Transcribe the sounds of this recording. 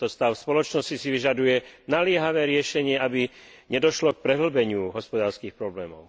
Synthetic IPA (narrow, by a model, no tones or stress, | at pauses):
t̪ɔst̪aʊfspɔlɔt͡ʃnɔscisiʋiʒad̪ujɛnalɪɛɦaʋɛːɾɪɛʃɛɲɪɛabiɲɛd̪ɔʃlɔk̚pɾɛɦl̩bɛɲɪuɦɔspɔd̪aːɾskiːxpɾɔblɛːmɔ̰ʊ